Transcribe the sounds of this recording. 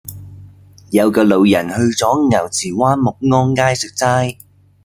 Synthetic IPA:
jɐ˨˧wkɔː˧lo˨˧wjɐ˨˩nhɵ˧ɥt͡sɔː˨˥ŋɐ˨˩wt͡sʰiː˨˩waː˥nmʊ˨k̚ŋɔː˥nkaː˥jsɵ˨k̚t͡saː˥j

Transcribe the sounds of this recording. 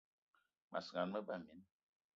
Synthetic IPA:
ma̰˨sŋa˨nmə˦ba˦˨mi˨˦n

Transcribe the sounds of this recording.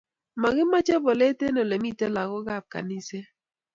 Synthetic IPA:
ma˨ɣɪ˦ma˦t͡ʃɛ˦bɔ˨le˦te˦nɔ˨le˨mi˦˨te˦la˨ɣɔ˦ɡa˦˨b̚ka̰˨ni˦se˦

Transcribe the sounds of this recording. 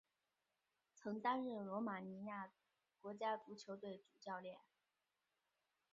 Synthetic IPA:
t͡sʰɤ˧˥ŋt̪a˥nɻ̩˥˩lwɔ˧˥ma˨˩ni˧˥ja˥˩ | kwɔ˧˥t͡ɕja˥ʈ͡ʂu˧˥t͡ɕʰjo˧˥ʊt̪we˥˩ɪʈ͡ʂu˨˩t͡ɕjɑ˥˧ʊljɛ˥˩n

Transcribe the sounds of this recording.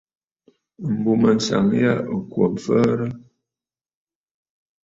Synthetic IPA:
m̩˨bu˨mə˨n̩˨sa̰˨ŋ˦ja˦ʔo˨kwɔ˨m˨fə˦ɾə˦

